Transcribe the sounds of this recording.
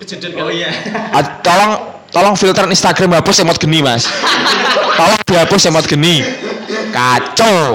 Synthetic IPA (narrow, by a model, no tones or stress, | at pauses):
at̪ɔlɔŋ | t̪ɔlɔŋfilt̪ɾaninst̪aɡ̥ɾamɦapʊsemɔt̪̚ɡ̥ə̤nima̰s | t̪ɔlɔŋd̪̥iɦapʊsemɔt̪̚ɡ̥ə̤ni | kat͡ʃo